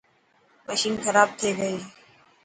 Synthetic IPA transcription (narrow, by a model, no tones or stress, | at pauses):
məʃiːnxəɾaːb̚t̪ʰeːɡəeː